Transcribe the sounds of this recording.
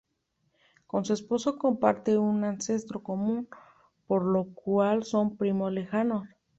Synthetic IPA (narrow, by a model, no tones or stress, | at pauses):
ko̞nsue̞spo̞soko̞mpa̰ɾt̪e̞unanse̞st̪ɾo̞komũn | poɾlokwalso̞mpɾimole̞xanos